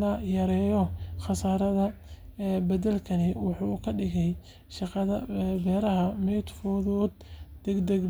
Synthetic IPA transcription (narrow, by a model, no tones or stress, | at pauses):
nɐjɐɾɛːjɔχɑsaːɾɐðɐ | bɐðɐlkʰɐnɪwʊħukʰɐɖɪɣɛj | ʃɑqɑðɐbɛːɾɐɦɐmɛjt̪fɔːðɔːd̪̚d̪̥ɛɡd̪ɛɡ